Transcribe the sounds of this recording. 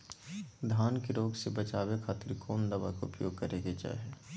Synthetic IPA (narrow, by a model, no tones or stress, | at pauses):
d̪ʱaːnkeɾoːɡsebət͡ʃaːwekʰaːt̪ɪɾkʰoːnd̪əbakaʊ̰pjoːɡ̚kəɾeɡed͡ʒa̰ɦɛː